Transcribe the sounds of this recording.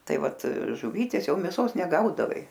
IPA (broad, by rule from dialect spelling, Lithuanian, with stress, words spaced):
ˈtɐɪ ˈʋɐt ʒʊˈʋʲiːtʲeːs ˈjɛʊ mʲeːˈsoːs nʲɛˈɡɐʊdɐʋɐɪ